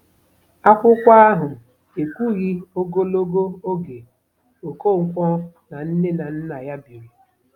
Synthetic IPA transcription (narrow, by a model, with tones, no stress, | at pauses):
a˦kʷʊ˦kʷa˦a˦ɦʊ˨ | e˨kʷu˦ɣi˦o˦ɡo˦lo˦ɡo˦o˦ɡe˨ | o˨ko˦˨ŋ̩˦kʷɔ˦ | na˨n̩˦ne˦na˨n̩˦na˨ja˦bi˨ɾi˦